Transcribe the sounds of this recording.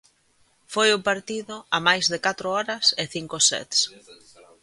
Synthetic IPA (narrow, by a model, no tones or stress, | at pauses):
fojʊpaɾt̪iðʊamajzðɪkat̪ɾʊɔɾɐsɪθiŋkosɛ̰t̪s